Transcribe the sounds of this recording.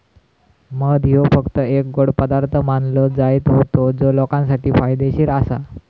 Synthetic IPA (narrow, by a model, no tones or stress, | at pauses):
məd̪ʱjofəkt̪əek̚ɡoɽpəd̪aɾt̪ʰəmanləd͡zajt̪ɦot̪od͡zolɔkãns̬aʈiːfajd̪eɕiːɾasa̰